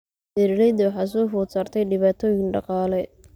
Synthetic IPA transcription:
bɛɾlɛjd̪ɐwħɑːs̬ɔːfʊːt̪saːrt̪ʰɛjɖɪβaːt̪ʰɔːjɪŋɖɑqɑːlɛ

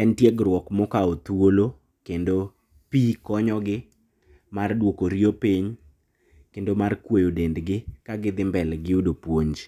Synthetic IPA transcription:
ɛntjeɡɾwɔkmɔkaot̪wolo | kendo | pikɔɲɔɡɪ | mardwokoɾjopɪɲ | kendomarkwejodendɡɪkaɡɪd̪ɪmbɛlɡɪudopwoɲd͡ʒ

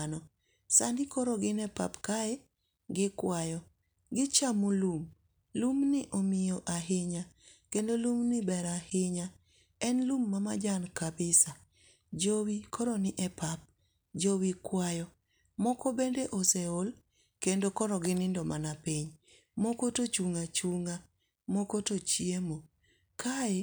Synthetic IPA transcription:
nɔ | sandɪkɔɾɔɡɪnɛpa̰pkaɛ | ɡɪkwajɔ | ɡɪt͡ʃamulum | lumnɪʔomɪjoʔaɦɪɲakendolumnɪbɛɾahɪɲa | ɛnlumːamad͡ʒankabɪsa | d͡ʒowikʰɔɾɔnɪʔɛpap̚ | d͡ʒowikwajɔ | mɔkɔbendeʔoseol | kendokɔɾɔɡɪnɪndɔmanapiɲ | mokotot͡ʃuŋat͡ʃuŋa | mokotot͡ʃiemo | kʰae

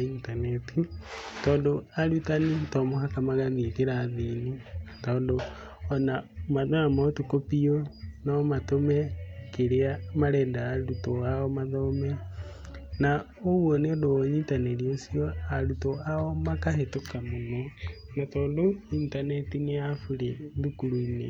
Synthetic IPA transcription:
intanɛtitɔːndoaɾutanitɔmohakamaɣaðikeɾaðinitɔːndo | ɔnamanoamaotukopionamatomɛkeɾeamaɾɛːndaːɾutoaɔmaðɔmɛ | na | owoneodoɲitanɛɾiosiɔaɾutoaɔmakahetokamonɔ | natɔːndointanɛtineafuɾeðukuɾuinḛ

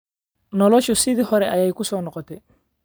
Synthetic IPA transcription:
nɔlɔʃusɪðɪɦɔɾɛʔajajkʊsɔːnɔqɔt̪ɛ

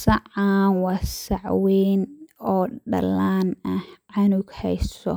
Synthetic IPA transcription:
sɐʕaːnwɑsɐʕwɛːnɔːɖɐ̰lːaːnɐhʕɑnʊɡhɛjsɔ̰

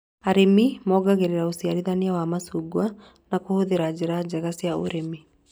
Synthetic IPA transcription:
aɾemimɔɡaɣeɾeɾaosiaɾiðaniawamasuɡwa | nakohoðeɾad͡ʒɛɾad͡ʑɛɣasiao̰ɾemi

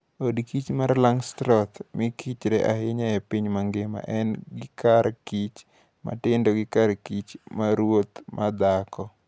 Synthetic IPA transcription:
odkit͡ʃmaɾlaŋstɾɔt̪mɪkit͡ʃɾɛʔaɦɪɲaɛpiɲmaŋɡɪma̰ʔɛnɡɪkaɾkit͡ʃ | ma̰tɪndɔɡɪkarkit͡ʃmaɾwot̪mad̪akɔ

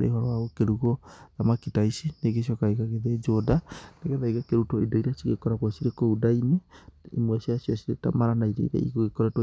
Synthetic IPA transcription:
ɾḛihɔɾɔaɣokeɾuɣoðamakitaisineɡesijɔkaeɣaɣeðed͡ʒodaneɣɛðaiɣakeɾutɔidaiɾasiɣekɔɾaɣwɔsiɾekoudaineḭmwɛsiasiɔsiɾetamaɾanaiɾḛiɾɛ̰ḭɣoɣekɔɾɛt

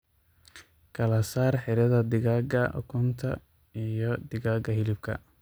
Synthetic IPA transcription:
kʰɐlɐsaːrħɪɾɐðɐd̪ɪɣaːɡɐʔɔ̰kʰʊnt̪ʰɐ | ijɞd̪ɪɣaːɡɐɦɪlɪb̥̚kʰɐ̰

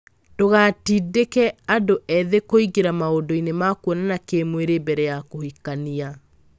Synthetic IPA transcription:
d̥oɣatidekɛadoʔɛðekoiɡeɾamaodɔinemakwɔnanakemweɾebɛɾɛjakohikania

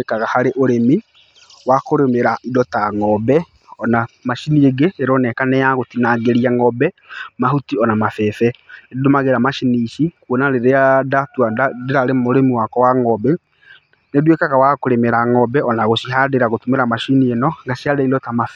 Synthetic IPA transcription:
ekaɣahaɾeʔoɾemi | wakoɾemeɾaʔidɔtaŋɔbɛ | ɔnamaʃinieɡeeɾɔnɛkanɛjaɣotinaɡeɾiaŋɔbɛ | maɦutiɔnamafɛfɛeddomaɣeɾamaʃiniʃikwonaɾeɾeadatuadadeɾaɾemoɾemiwakɔwaŋɔbɛ | nedwekaɣawakoɾemeɾaŋɔbɛʔɔnaɣoʃiɦadeɾaɣotumeɾamaʃinienɔŋɡasiadɛidɔtamaf

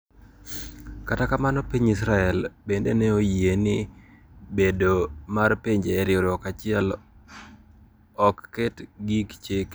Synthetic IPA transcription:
katakamanɔpiɲisɾaɛlbendenɛojenɪ | bedomarpeɲd͡ʒeːɾjoɾɪɔkat͡ʃɪɛl | ɔkːetɡikt͡ʃek

